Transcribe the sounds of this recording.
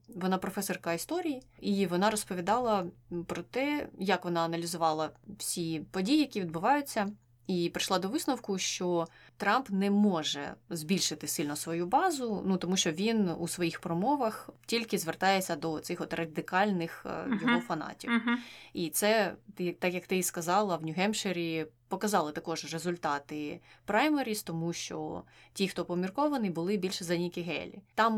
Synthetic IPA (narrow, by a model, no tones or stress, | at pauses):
ʋɔnɑpɾɔfɛsɔrkɐist̪ɔɾʲijiʔiʋɔnɑɾɔspɔʋʲid̪ɑlˠɐpɾɔt̪ɛjɐkʋɔnɑɐnɐlʲizʊʋɑlˠɐwsʲipɔdʲijijɐkʲiʋʲid̪̚bʊʋɑjʊt͡sʲːɐ | ipɾɪʃlˠɑd̪ɔʋɪsnɔwkʊʃt͡ʃɔt̪ɾɑmpnɛmɔʒɛ̰zbʲilʲʃɪt̪ɪsɪlʲnɔsʋɔjubɑzʊnut̪ɔmuʃt͡ʃɔʋʲinṵsʋɔjixpɾɔmɔʋɐxtʲilʲkɪzʋert̪ɑjesʲɐd̪ɔt̪sɪxɔt̪rʔɐd̪ɪkɑlʲnɪxjɔɦɔfɐnɑ̰tʲiwit̪sɛt̪ɪt̪ɑkjɐkt̪ɪskɐzɑlˠɐʋnʲʊɦɛmʃeɾʲipɔkɐzɑlˠɪt̪ɐkɔʒrezʊlʲt̪ɑt̪ɪpɾajmeɾʲist̪ɔmuʃt͡ʃɔ̰tʲixt̪ɔpɔmʲirkɔʋɐnɪbʊlˠɪbʲilʲʃɛzɐnʲikʲɪɦɛ̰lʲḭt̪ɑm